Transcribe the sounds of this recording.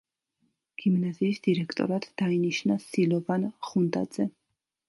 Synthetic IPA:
ɡ̥imnaziːsd̪iɾɛkʰt̪ʼɔ̰ɾad̪d̪̥ainiʃnasilɔvanχund̪ʼa̰d̪z̥ɛ

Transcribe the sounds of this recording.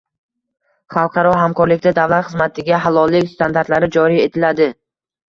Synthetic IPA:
χɑlˠqʰɑɾɒɦamkʰɒɾlɪkʲd̪ad̪avlat̪χɨzmat̪ʰɪɡʲaɦalɒlˠːɪkʲst̪ʰand̪aɾt̪laɾɪd͡ʒɒɾije̞t̪ʰɪlad̪ɪ

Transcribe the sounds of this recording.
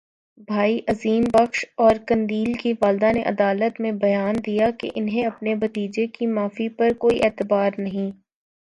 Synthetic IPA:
bʱaːiʔɐziːmbɐxʃɔːɾkɐ̃nd̪iːlkiʋaːld̪anẽʔɐd̪aːlət̪mẽbɐjaːnd̪ijakḛʔɪnɦẽɐpnebɐt̪iːd͡ʒekimaːfipɐɾkoːiʔɛːt̪ɪbaːɾnɐɦĩː

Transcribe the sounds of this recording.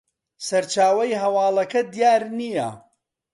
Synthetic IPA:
sɐɾt͡ʃaːwɐjɦɐwaːlɐkɐd̪ijaːɾnijɐ̰

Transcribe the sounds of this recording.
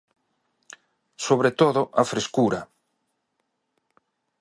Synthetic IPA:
soβɾet̪oðʊʔɐfɾeskuɾɐ

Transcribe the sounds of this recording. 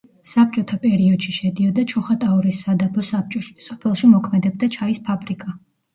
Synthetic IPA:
sap̚t͡ʃʼɔt̪ʰapʼɛɾiɔd̪̥ʃiʃɛd̪iɔd̪at͡ʃʰɔχat̪ʼauɾisːad̪abɔsap̚t͡ʃʼɔʃi̥sɔpʰɛlˠʃimɔkʰmɛd̪ɛb̚d̪at͡ʃʰaispʰabɾikʼa

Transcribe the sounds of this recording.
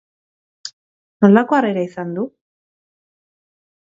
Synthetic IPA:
no̞lako̞areɾaisand̪u

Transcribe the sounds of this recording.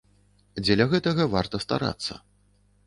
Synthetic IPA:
d͡zʲɛlʲɐɣɛt̪ɐɣɐva̰rt̪ɐst̪a̰ɾa̰t̪sːɐ̰

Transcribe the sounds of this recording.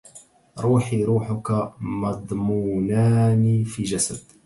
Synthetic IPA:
ɾˤuːħiɾuːħʊkamɑd̪ˤmuːnaːnifiːʒasa̰d̪

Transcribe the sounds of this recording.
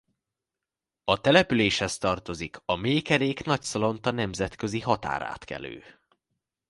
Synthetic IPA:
ɒt̪ɛlɛpyleːʃhɛst̪ɒrt̪o̞zikʰɒmeːkɛɾeːknɒcsolo̞nt̪ɒnɛmzɛt̪kø̞ziɦɒt̪a̰ːɾa̰ːt̪kɛ̰lø̰ː

